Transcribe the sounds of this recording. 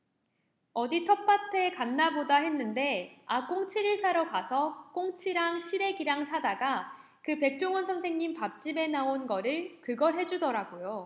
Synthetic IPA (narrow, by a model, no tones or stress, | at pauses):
ʌditʰʌpʰatʰe̞kanːabodaɦe̞nːɯnde̞ak͈oŋt͡ɕʰiɾɯɭs͈ʰaɾʌkasʰʌk͈oŋt͡ɕʰiɾaŋɕʰiɾe̞ɡiɾaŋsʰadaɡa | kɯpe̞k̚t͡ɕ͈oŋwʌnsʰʌŋsʰeŋɲimpap̚t͡ɕ͈ibe̞naonɡʌɾɯɭkɯɡʌɭɦe̞d͡ʑudʌɾaɡojo